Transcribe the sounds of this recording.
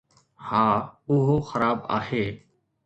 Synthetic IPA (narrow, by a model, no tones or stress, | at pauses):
haːʊɦoːxəɾaːba̰ːheː